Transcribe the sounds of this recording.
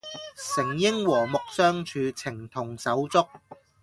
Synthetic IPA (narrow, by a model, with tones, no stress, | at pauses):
sɪ˨˩ŋjɪ˥ŋwɔː˨˩mʊ˨k̚sœː˥ŋt͡ʃʰyː˨˧t͡sʰɪ˨˩ŋt̪ʰʊ˨˩ŋsɐ˨˥wt͡sʊ˥k̚